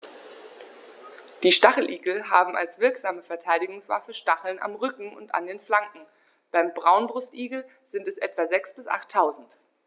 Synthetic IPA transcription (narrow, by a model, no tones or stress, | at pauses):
d̥iːʃtaχl̩ʔiːɡl̩ɦaːbm̩a̰lsv̥ɪɐkz̥aːməfɛɐtʰaɪdɪɡʊŋsv̥a̰fəʃtaχl̩na̰mʁʏkŋ̩ʔʊ̰nta̰ndeːnflaŋkŋ̩ | b̥aɪmbʁaʊnbʁʊstʔiːɡl̩ | z̥ɪntɛsʔɛtv̥azɛksb̥ɪsʔa̰χtʰːaʊzn̩t